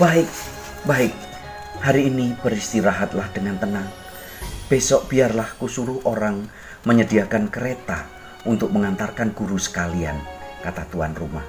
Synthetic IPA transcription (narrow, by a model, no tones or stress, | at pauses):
b̥aɪk̚ | baɪk̚ | haɾiːnib̥əɾist̪iɾaɦat̪̚lahd̥əŋant̪ənaŋ | b̥esɔʔb̥iarlahkusuɾʊhʔoɾaŋ | məɲədiakankəɾet̪a | ʔunt̪ʊk̚məŋant̪arkanɡ̥uɾusə̥kalia̰nkat̪at̪uanrumah